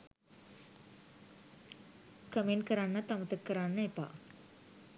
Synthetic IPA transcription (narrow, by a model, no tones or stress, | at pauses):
kəmenkəɾanːɐt̪amət̪əkːəɾanːɐepa̰ː